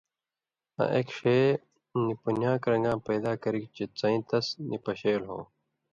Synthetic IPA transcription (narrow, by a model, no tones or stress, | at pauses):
ɐ̰ʔekʂeː | nipunjãːkɾɐ̃ŋɡãːpɐːd̪aːkɐɾikt͡ɕit͡sɐ̃ĩːt̪ɐsnʔipɐɕeːlɦõ̰ː